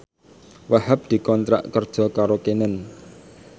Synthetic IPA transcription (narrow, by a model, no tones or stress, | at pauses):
wahəp̚d̪̥i̤kɔnt̪ɾa̰ʔkərd̥ʒ̥ɔ̤kaɾokenən